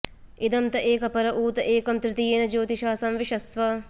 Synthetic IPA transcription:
id̪ɐmt̪ɐʔeːkɐpɐɾɐʔuːt̪ɐʔeːkɐmt̪ɾɪt̪ijeːnɐd͡ʒoːt̪iʃaːsɐmʋiʃɐsʋɐ

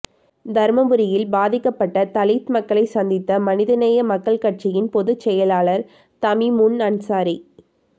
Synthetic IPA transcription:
d̪ɐɾmɐbɯɾɪjɪlbaːðɪkːɐpːɐʈːɐt̪ɐlɪt̪mɐkːɐɭɐɪsɐnd̪ɪt̪ːɐmɐnɪðɐnɐjɐmɐkːɐɭkɐʈ̚t͡ʃɪjɪnpɔðɯt͡ʃːɛjɐlaːɭɐɾ | t̪ɐmimʊnɐnsaːɾi

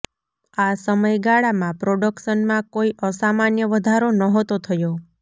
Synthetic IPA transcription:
asəməjɡaɭamãpɾoɖəkʃənmãkoiʔəsamanjəʋəd̪ʱaɾonəɦot̪ot̪ʰəjo

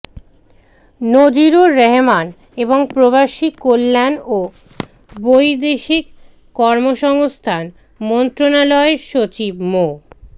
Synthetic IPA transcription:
nod͡ʑiɾoɾeɦeman | eboŋpɾobaʃikolːano | bojd̪eʃikː | ɔɾmoʃɔŋst̪ʰan | mɔnt̪ɾonalɔeʃot͡ɕibmo

